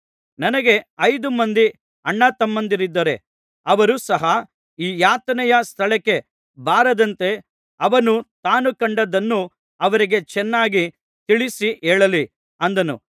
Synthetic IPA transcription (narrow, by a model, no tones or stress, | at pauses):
nɐnɐɡe̞ɐjd̪umɐnd̪i | ɐɳːɐt̪ɐmːɐnd̪iɾid̪ːɐɾe̞ | ɐʋɐɾusɐɦɐ | iːjaːt̪ɐnɛjɐst̪ʰɐɭɛkːe̞ | baːɾɐd̪ɐnt̪e̞ | ɐʋɐnut̪aːnukɐɳɖɐd̪ɐnːu | ɐʋɐɾiɡe̞t͡ʃɛnːaːɡi | t̪iɭisiɛːɭɐli | ɐnd̪ɐnṵ